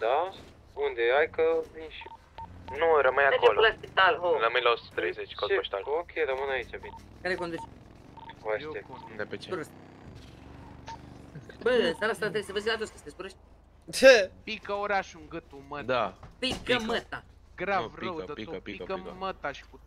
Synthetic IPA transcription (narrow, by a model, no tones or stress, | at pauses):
d̪a | und̪eajkəvinʃi | nuɾəmɨnakololaspit̪aloɾəmɨnlaosut̪ə̥t̪ɾejzet͡ʃkozoʃt̪alokʲʰeɾəmɨnait͡ʃabin | kaɾekond̪ut͡ʃ | vajeekosuepeuɾes | bənsaɾast̪ɾat̪ɾesəvəzilat̪osk̪əsd̪eskuɾeʃt̪̚ʲ | t͡ʃepikəoɾaʃuŋɡət̪uməd̪apikəmət̪a | ɡɾavrəəp̪oikəmət̪aʃi̥ku